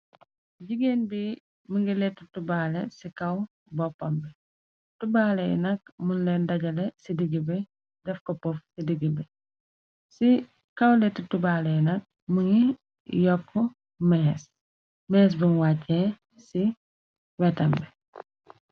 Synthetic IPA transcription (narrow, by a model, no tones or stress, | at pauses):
ɟiɡeːnbi | muŋɡilɛtːitubaːlɛsikɐw | bɔpːɐmbɛ | tubaːlɐj̰nɐk̚munlɛndɐɟɐlɛsidiɡibɛ | dɛfkɔpɔfsidiɡibɛ | si | kɐwlɛtːitubaːlɛjnɐk̚ | muŋɡi | jɔkʰːu | mɛːs | mɛːs̬bunwacːɛ | si | wɛtɐmbɛ